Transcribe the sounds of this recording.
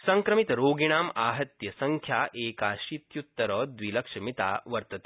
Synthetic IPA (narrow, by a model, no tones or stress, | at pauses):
sɐŋkɾɐmit̪ɾoːɡiɽ̃aːmaːɦɐt̪jɐsɐŋkʰjaːʔeːkaːʃit̪jut̪ːɐɾɐːd̪ʋilɐkʂɐmit̪a̰ːʋɐɾt̪ɐt̪e